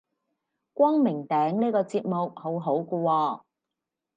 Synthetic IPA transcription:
kʷɔː˥ŋmɪ˨˩ŋt̪ɛː˨˥ŋniː˥kɔː˧t͡siː˧t̚mʊ˨k̚ho˨˥wɦo˨˥wkɔ˧wɔː˧

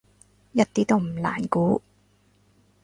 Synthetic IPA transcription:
jɐ˥t̚t̪iː˥t̪o˥wm̩˨˩la̰ː˨˩nkuː˨˥

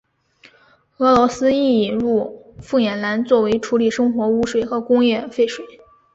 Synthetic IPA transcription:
ɤ˧˥lwɔ˧˥sɹ̩˥i˥˩i˨˩nɻu˥˩fu˥˩jɛ˨˩nla˧˥nt͡swɔ˥˩we˧˥ɪʈ͡ʂʰu˧˥li˨˩ʂɤ˥ŋxwɔ˧˥u˥ʂwe˨˩ɪxɤ˧˥kʊ˥ŋjɛ˥˧fe˥˩ɪʂwe˨˩˦ɪ

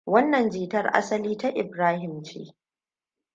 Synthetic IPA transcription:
wɐ˦nːɐ˨nd͡ʒiː˨tɐ˦rʔa̰˦sɐ˦liː˦ta˦ʔɪ˨bɾaː˦hɪ˨mt͡ʃḛː˦

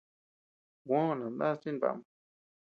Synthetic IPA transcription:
wʷõ˦˧nã˨nd̪a˦t͡ʃi˦n˨ba̰˧˨m

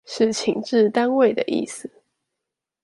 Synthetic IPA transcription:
ʂɻ̩˥˩t͡ɕʰi˨˩ŋʈ͡ʂɻ̩˥˨t̪a˦nwe˥˩ɪd̪ə˩ʔḭ˥˩sɨ˨˩

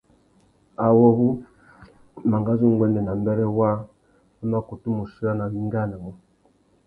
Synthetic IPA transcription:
a˨wɔ˦βu˦ | ma˨ŋɡa˦zu˦˨ŋɡwɛ˦ndɛ˨na˨mbɛ˦ɾɛ˦wa˦ | u˦ma˦ku˨tu˦mu˨ʃi˦a˦na˨wi˦ŋ˦ɡa˦na˨wɔ˨

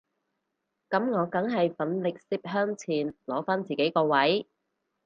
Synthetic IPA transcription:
kɐ˨˥mŋɔː˨˧kɐ˨˥ŋɦɐ˨jfɐ˨˥nlɪ˨k̚siː˧˥p̚ɦœː˥ŋt͡sʰiː˨˩nlɔː˨˥faː˥nt͡siː˨ke˨˥jkɔː˧wɐ˨˥j

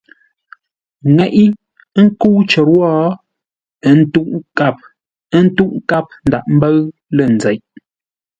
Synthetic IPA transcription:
ŋɛ˨ʔi˦ | ŋ̩˦ku˦t͡ʃə˨ɾwɔ˦ | n̩˦tu˦ʔka˦˨p̚ | ə˦n̩˦tu˦ʔŋ˦ka˦p̚n̩˨da˨ʔm̩˦bə˦ɰ | lə˦˨n̩˨zɛ˨ʔ

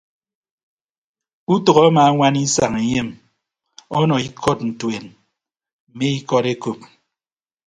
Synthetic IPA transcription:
u˦tɔ˨ɣɔ˦a˦maː˨˦ŋʷa˦ni˦sa˨ŋe˨ɲe˦m | ɔ˦nɔ˨i˦kʰɔ˦tn̩˨twe˨n | m̩˨me˦i˦kɔ˦ɾe˦ko˨p̚

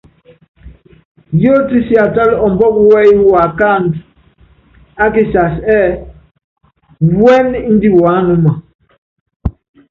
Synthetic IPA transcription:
jo˦ti˦si˦a˨ta˦lɔ˨m˦bɔ˦kwɛ˦i˦wa˨ka˦˨nd | a˦ki˦sa˨sɛ˦ | wɛ˦n˦n̩˦di˦wa˨˦nu˦ma˨

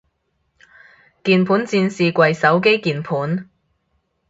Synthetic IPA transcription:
kiː˨npʰuː˨˥nt͡siː˧nsiː˨kʷwɐ˨jsɐ˨˥wke˥jkiː˨npʰuː˨˥n

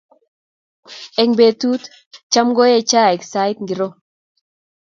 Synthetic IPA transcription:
ɛ˨ŋbe˨tu˦t̪ | t͡ʃa˦mɡɔ˦jɛ˦t͡ʃa˦ɛ˨ksa˦jt̪ŋɡi˨ɾɔ˦

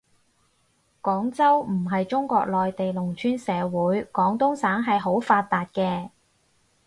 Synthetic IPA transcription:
kɔː˨˥ŋt͡sɐ˥wm̩˨˩ɦɐ˨jt͡ʃʊ˥ŋkʷɔ̰ː˧k̚lɔː˨jt̪e˨jlʊ˨˩ŋt͡ʃʰyː˥nsɛː˨˧wuː˨˥jkɔː˨˥ŋt̪ʊ˥ŋsaː˨˥ŋɦɐ˨jɦo˨˥wfaː˧t̪t̪ːaː˨˧t̚kɛː˧

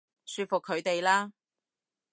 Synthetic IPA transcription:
syː˧t̚fʊ˨kʰːɵ˨˧ɥt̪e˨jlaː˥

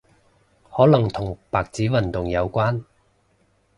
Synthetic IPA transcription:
hɔː˨˥lɐ˨˩ŋt̪ʰʊ˨˩ŋpaː˨k̚t͡siː˨˥wɐ˨˩nt̪ʊ˨ŋjɐ˨˧wkʷwaː˥n

